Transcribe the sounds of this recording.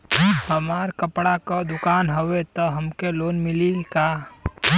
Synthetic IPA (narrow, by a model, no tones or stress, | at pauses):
həmaːɾkəpɽakod̪ʊkaːnɦowet̪ɔɦəmkeloːnmɪlilka